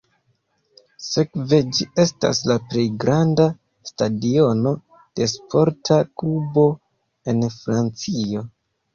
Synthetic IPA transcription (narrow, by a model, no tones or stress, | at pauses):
se̞kve̞d͡ʒie̞sta̰slaple̞jɡɾanda | stadio̞no̞ | d̥e̞spʰo̞ɾtʰakubo̞ | e̞nfɾant͡sio̞